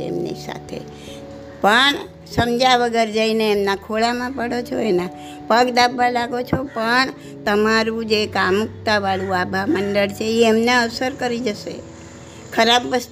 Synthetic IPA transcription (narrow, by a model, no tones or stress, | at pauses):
ḛmnḭsa̰t̪ʰḛ | pəɳ | səmd͡ʒaʋəɡəɾd͡ʒəineːmnakʰoɭamãpəɽot͡ʃʰoenã | pəɡd̪abʱalaɡot͡ʃʰopəɳ | t̪əmaɾũd͡ʒekamuk̚t̪aʋaɭũabʱamənɖəɭt͡ʃʰeiemneəsəɾkəɾid͡ʒəʃḛ | kʰəɾabːəs